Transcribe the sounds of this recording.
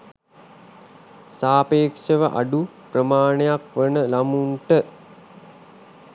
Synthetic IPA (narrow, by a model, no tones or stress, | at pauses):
saːpeːkʂəʋəʔa̰ɖuprəmaːnejakʋənəlamuɳʈə